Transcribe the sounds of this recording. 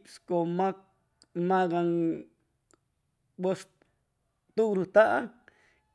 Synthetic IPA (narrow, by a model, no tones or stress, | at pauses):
pskoma | mãɣaŋ | bos | t̪uɾut̪aʔa